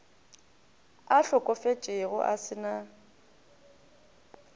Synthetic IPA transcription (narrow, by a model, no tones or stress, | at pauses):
aɬʊkʼɔfet͡ʃʼɪɣʊ̰ʔasɪna